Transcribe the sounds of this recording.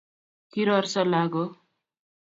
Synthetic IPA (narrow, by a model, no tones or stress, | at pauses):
kiɾʌrsʌlaɡo